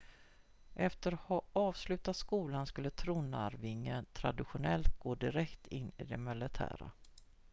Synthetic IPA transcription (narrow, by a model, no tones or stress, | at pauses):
ʔɛft̪əɾhɔɑːvslʉ̟ːt̪at̪skuːlanskɵlːət̪ʰɾuːna̰ɾvɪŋːənt̪ʰɾa̰d̪ɪɧʊnɛlt̪̚ɡoːd̪ɪɾɛkt̪ɪnːɪ̰d̪ɛmɛlɪt̪ʰæ̰ːɾa̰